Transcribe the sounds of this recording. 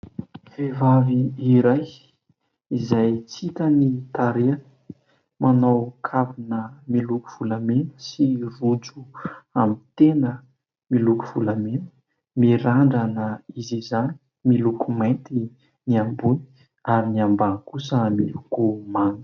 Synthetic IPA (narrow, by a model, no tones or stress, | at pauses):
v̥evaviːɾaj | izajt͡sit̪ənit̪aɾeanə̥ | manawkʰavunəmilukuv̥ulamenə̥sirud͡zuamit̪enə | milukuv̥ulamenə̥ | miɾaɳɖ͡ʐanəizizani̥ | milukumajnt̪i | niambuni̥ | aɾiniambankusəmilukumaŋə̥